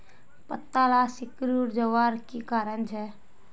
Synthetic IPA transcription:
pət̪ːalasikɾuɾd͡ʒəʋaɾkikaːɾənt͡ʃʰɛ

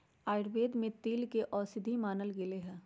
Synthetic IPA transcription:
aːɪɽbeːd̪mẽt̪iːlkeʔɔːsɪd̪ʱimaːnəlɡɪleɦɛ̃ː

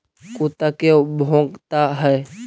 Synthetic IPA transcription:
kut̪akebʱõːɡt̪aɦɛ

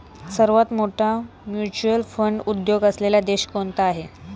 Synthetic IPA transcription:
səɾʋat̪moʈʰa | mjut͡ɕuəlfəɳɖud̪joɡəslelad̪eɕkoɳt̪aːɦe

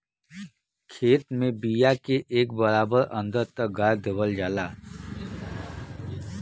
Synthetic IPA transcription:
kʰeːt̪mẽbijakeʔeːkbəɾaːbəɾə̃nd̪əɾt̪ək̚ɡaɾd̪ebəld͡ʒaːlaː

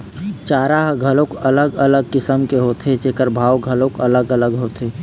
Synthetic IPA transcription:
t͡ʃaːɾaɦɡʱɐlõkɐləɡələɡ̚kɪsəmkeɦoːt̪ʰet͡ʃeːkəɾbʱaːwɡʱəlõkələɡələɡɦoːt̪ʰeː

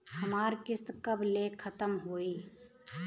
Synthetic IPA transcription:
həmaːɾkɪst̪kəblekʰət̪əmɦoːiː

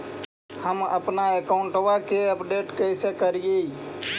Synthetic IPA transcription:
həmə̰pnaekaʊ̃ɳʈʋakeəpɖeʈkəɪsekəɾijei

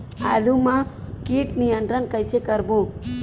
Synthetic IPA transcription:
alumakiʈnijənt̪ɾənkajsekəɾbũ

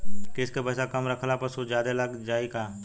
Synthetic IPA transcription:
kɪskepɐsakɐmɾɐkʰlapɐsud͡ʒaːd̪elɐɡd͡ʒaːiɡaː

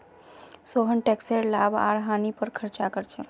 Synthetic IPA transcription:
soɦənʈekseɾlaba̰ɾɦanipəɾkʰəɾt͡ʃakəɾt͡ʃʰɛ̰

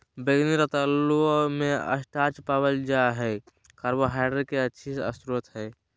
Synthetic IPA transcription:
beɡniɾət̪əlumẽə̰sʈaːt͡ʃpabəld͡ʒaɦɛː | kaɾbəɦaːɖəɾkeətːʃʰisə̰st̪ɾuət̪ɦɛː

